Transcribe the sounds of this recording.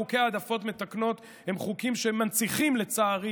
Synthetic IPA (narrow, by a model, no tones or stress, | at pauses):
ukeaːd̪afo̞tme̞t̪akno̞t̪ | he̞mχukimʃemant͡siχimle̞t͡saːʁi